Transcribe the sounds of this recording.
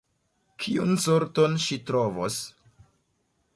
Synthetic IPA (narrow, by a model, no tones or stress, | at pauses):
kʰiṵnsoɾto̞nʃitɾo̞vo̰s